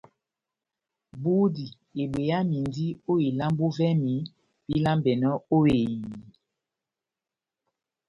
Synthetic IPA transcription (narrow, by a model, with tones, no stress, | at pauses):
bu˦di˨ | e˨ɓwe˨ja˦mi˨ndi˦o˦e˨la˦m˦bo˦vɛ˦mi˨˦ | pi˦la˦mbɛ˨nɔ˦o˦e˨ɲi˨